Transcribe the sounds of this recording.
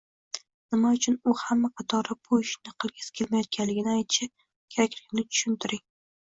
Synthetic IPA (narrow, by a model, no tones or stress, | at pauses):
nɪmaʊt͡ʃʰʊnʊhamːaqʰɑt̪ʰɒɾɪbʊɪʃnɪqʰɨlˠɡʲɪz̥kʲʰelmajɒt̪̚kʲʰanlɪɡʲɪnɪajt̪ʰɪʃa | kʲʰakʲɾɪmnɪt̪ʰʊ̥ʃʊnt̪ʰɪɾɪŋ